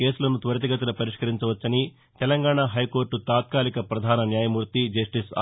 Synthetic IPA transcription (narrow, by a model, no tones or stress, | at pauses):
ke̞ːsulɐnut̪ʋɐɾɐt̪̬iɡɐt̪ɐlɐpɐɾiʂkɐɾiɲt͡ʃɐʋɐt͡ʃːɐni | t̪ɛlɐŋɡaːɳaːɦɐjko̞ːɾʈut̪aːt̪̚kaːlikɐpɾɐd̪ʱaːnɐnjaːjɐmuːɾt̪id͡ʒɐsʈis